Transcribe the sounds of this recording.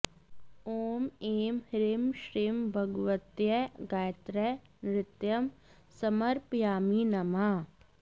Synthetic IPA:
oːmeːmhɾimʃɾiːmbʱɐɡʋət̪jɐɡajt̪ɾɛ | nɾɪt̪jɐm | sɐmɐɾpjaːminɐma

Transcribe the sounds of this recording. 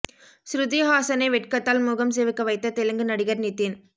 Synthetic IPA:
sɾʊðiɦaːsɐnɐɪʋɛʈkɐt̪ːaːlmuːɣɐms̬eːʋɪkːɐʋɐɪt̪ːɐt̪ɛlɯŋɡɯnɐɽɪɣɐɾnɪt̪ːin

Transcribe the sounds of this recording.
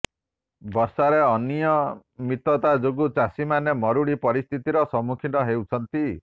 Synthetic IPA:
bɔɾsaɾeɔnijɔmit̪ɔt̪ad͡ʒoɡut͡ʃasimanemɔɾuɽipɔɾist̪ʰit̪iɾɔsɔmukʰit̪ɔɦewt͡ʃʰɔnt̪i

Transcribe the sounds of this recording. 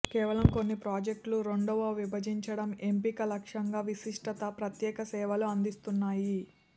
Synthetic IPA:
kɛːʋɐlɐmko̞nːipɾaːd͡ʒek̚ʈluɾo̞ɳɖɐʋɐːʋibɐd͡ʒiɲt͡ʃɐɽɐme̞mpikɐlɐkʂɐŋɡaːʋisiʂʈɐt̪ɐpɾɐt̪jɛːkɐsɛːʋɐluɐnd̪ist̪unːaːji

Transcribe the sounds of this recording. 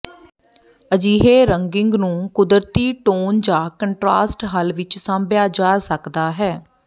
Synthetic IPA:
əd͡ʒiːɦeːɾəŋɡɪŋɡnũːkʊd̪əɾt̪iːʈoːnd͡ʒaːkəɳʈɾaːsʈɦəlʋɪt͡ʃsãːmbjaːd͡ʒaːsəkd̪aːɦɛː

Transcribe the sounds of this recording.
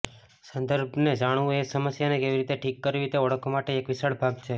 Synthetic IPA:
sənd̪əɾbʱned͡ʒaɽ̃ũesəməsjanekeʋiɾit̪eʈʰikːəɾiɾit̪eɔɽəkʰomaʈeːkʋɪsəɽbʱaɡt͡ʃʰe

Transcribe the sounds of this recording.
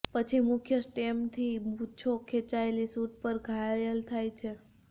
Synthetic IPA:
pət͡ʃʰimʊkʰjəsʈemt̪ʰibut͡ʃʰokʰet͡ʃaelisuʈ̚pəɾɡʱajəlt̪ʰajt͡ʃʰe

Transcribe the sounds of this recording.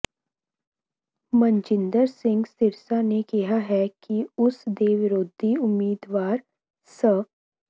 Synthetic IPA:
mɐ̃ɲt͡ʃɪ̃nd̪əɾsɪ̃ŋɡst̪ɪɾsanekiɦaɦɛkiʊsd̪eːʋɪɾoːd̪ʱiʊmːiːd̪ʋaːɾ | sə

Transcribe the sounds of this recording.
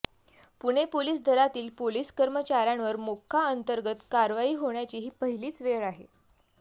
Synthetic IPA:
puɽ̃epoliːs̬d̪ʱəɾat̪iːlpoliːskəɾmət͡ɕaɾjãnʋəɾmokʰːaənt̪əɾɡət̪kaɾʋaiːɦoɳjat͡ɕiːɦiːpəɦiliːt͡sʋeɭaɦḛ

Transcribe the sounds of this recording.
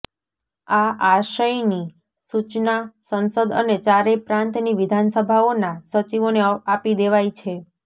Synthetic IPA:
aaʃəjni | sut͡ʃnasənsəd̪ə̰net͡ʃaɾepɾãnt̪niʋid̪ʱansəbʱaonasət͡ʃiʋoneapid̪eʋajt͡ʃʰe

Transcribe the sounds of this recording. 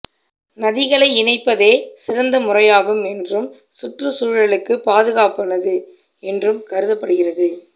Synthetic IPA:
nɐðɪɣɐɭɐɪɪnɐɪpːɐðeːsɪɾɐnd̪ɐmʊrɐjaːɣɯmɛndrɯm | sʊʈrɯsuːɻɐɭɯkːɯpːaːðɯɣaːpɐnɐðɯ | ɛndrɯmkɐɾɯðɐpːɐɽɯɣɪrɐðɯ

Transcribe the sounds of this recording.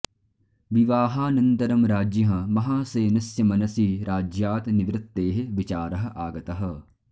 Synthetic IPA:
ʋiʋaːɦaːnɐnt̪ɐɾɐmɾaːd͡ʒjɐɦɐ̃mɐɦaːseːnɐsjɐmɐnɐsiːɾaːd͡ʒjaːt̪niʋɾɪt̪ːeːɦeʋit͡ʃaːɾɐɦɐ̆ʔaːɡɐt̪ɐɦɐ̆

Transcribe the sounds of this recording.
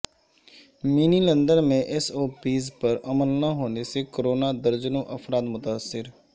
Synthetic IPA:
miːnilə̃nd̪əɾmẽʔɛsoːpiːzpəɾɐməlnaɦoːnesekoɾoːnad̪əɾd͡ʒənõʔɐfɾaːt̪mʊt̪aːsːɪɾ

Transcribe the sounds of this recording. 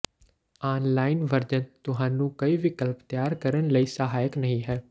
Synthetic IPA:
aːnlaːɪnʋəɾd͡ʒənt̪ʊɦãːnũːkəiːʋɪkəlpt̪ɪjaːɾkəɾənləiːsəɦaːjəknəɦĩːɦɛː

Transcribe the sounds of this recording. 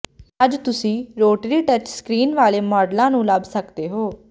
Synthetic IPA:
əd͡ʒt̪ʊsĩːɾoːʈɾiːʈət͡ʃskɾiːnʋaːleːmɔːɖlãːnũːləbsəkd̪eːɦoː

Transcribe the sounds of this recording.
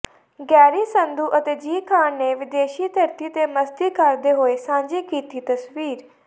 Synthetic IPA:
ɡɛːɾisə̃nd̪uːʔɐt̪eːd͡ʒiːkʰãːnneʋɪd̪eːʃit̪ɐɾt̪it̪emɐst̪ikaɾd̪eɦoːesãːɲd͡ʒikiːt̪it̪ɐsʋiːɾ

